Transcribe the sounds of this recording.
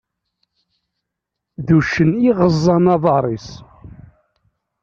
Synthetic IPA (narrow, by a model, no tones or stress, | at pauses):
ðuʃəniʁəzˤːɑnɑðˤɑɾˤis